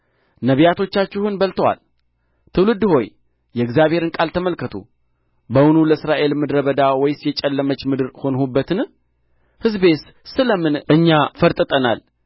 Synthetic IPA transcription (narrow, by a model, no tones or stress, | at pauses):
nəβijat̪ʰo̞t͡ʃːat͡ʃːɪhunbəlt̪ʰəwa̰l | t̪ʰɨwlɨd̪ho̞j | jɛɨɡzjaβhe̞ɾɨnkʼalt̪ʰəməlkːət̪ʰṵ | bəwnuləsɾaʔe̞lmɨd̪ɾəβəd̪awɔjsjɛt͡ʃʼɛlːəmət͡ʃːmɨd̪ɨɾho̞nhubːət̪ʰɨn | hɨzbe̞t̪ | sɨləmɨnɨɲːafəɾt̪ʼɨt̪ʼəna̰l